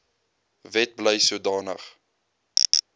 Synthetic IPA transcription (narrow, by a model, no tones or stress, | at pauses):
vɛt̚bləjsuədɑːnə̰χ